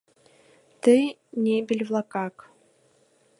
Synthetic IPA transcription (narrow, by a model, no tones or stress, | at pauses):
t̪ɨnʲebʲelʲvlˠakɑk